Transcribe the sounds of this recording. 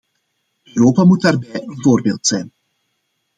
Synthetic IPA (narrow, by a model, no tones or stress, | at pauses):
øɾoːpamut̚daːrbɛjənvoːrbeːlˠtsɛjn